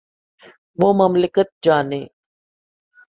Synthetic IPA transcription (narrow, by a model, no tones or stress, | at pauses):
ʋoːməmlɪkət̪̚d͡ʒaːnḛː